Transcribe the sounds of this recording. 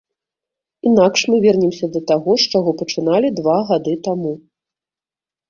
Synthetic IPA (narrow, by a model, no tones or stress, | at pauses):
in̪akʂmɨvʲɛrnʲɛmsʲɐd̪ɐt̪aɣɔʂt͡ʂaɣɔpɐt͡ʂɨn̪alʲid̪vaɣad̪ɨt̪amu